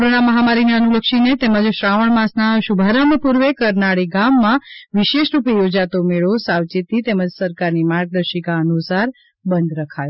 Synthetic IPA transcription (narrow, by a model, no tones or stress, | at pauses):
koɾonaməɦamaɾineənuləkʃinet̪eməd͡ʒʃɾaʋəɳmãsnaʃubʱaɾaməpuɾʋekəɾnaɭiɡamːãʋiʃeʃɾupijod͡ʒat̪omeɭosawt͡ʃit̪it̪eməd͡ʒsəɾkaɾnimaɾɡ̚d̪əɾʃikaənusaɾ | bənd̪ɾəkʰajo